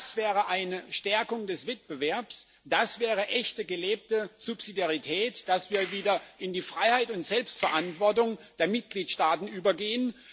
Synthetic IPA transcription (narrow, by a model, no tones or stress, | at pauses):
sv̥ɛːʁəʔaɪnəʃtɛɐkʊŋdɛsv̥ɛt̚b̥əvɛɐps | d̥asv̥ɛːʁ̞əʔɛçtəɡəleːp̚təz̥upsidjaʁitʰɛːtd̥asv̥iːɐviːdɐʔɪndiːfʁ̥aɪhaɪtʊntz̥ɛlpstfɛɐʔantv̥ɔɐtʊŋd̥eːɐmɪt̚ɡ̥liːtʃtaːtn̩ʔyːbɐɡeːən